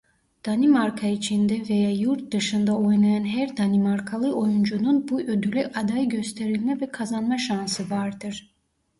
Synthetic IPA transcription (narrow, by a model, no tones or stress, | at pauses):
d̪̥animaɾkʰait͡ʃʰind̪ɛvejaːjuɾt̪̚d̪ɯʃɯnd̪ao̞jnˠajanɦæɾd̪animaɾkʰalˠɯʔo̞jund͡ʒununbuʔød̪ylʲyʔad̪ajɟø̞st̪ʰeɾilʲmɛvɛkʰazanmaʃansɯvaɾd̪ɯɾ̥